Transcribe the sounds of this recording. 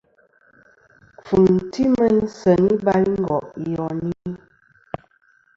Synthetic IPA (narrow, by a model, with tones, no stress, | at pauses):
p͡fu˨m˨ti˦mə˦n˦sə˨ni˦ba˦jŋ̩˦ɡɔ˨ʔjɔ˨ni˦